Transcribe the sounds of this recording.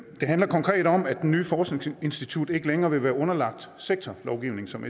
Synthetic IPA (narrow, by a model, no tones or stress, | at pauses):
d̥e̝ɦænlɐkʰɒ̽ŋkʰʁɛ̰ːd̥ɒ̽mæd̥enːyːfɒːsɡ̥ne̝ŋse̝nsd̥it͡sʰud̥e̝ɡ̥əleŋɐːʋe̝ʋæːɐɔ̽nɐlɑ̈ɡ̥̚d̥seɡ̥̚t͡sʰɒlɒʊɡ̥iʊne̝ŋsɒ̽me